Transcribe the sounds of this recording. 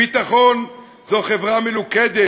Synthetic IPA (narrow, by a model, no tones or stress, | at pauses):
it̪aχon | zoχevʁameluked̪e